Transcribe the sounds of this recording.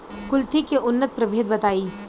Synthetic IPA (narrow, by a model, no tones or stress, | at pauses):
kʊlt̪ikeʔʊnːət̪̚pɾɐbʱeːd̪bɐt̪aːiː